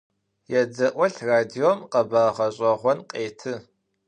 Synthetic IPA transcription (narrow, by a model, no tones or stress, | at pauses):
jɛd͡zɐʔʷɔɬraːdiomqɐbaːʁɐɕʼɐʁʷɔnqʼeːtʰɨ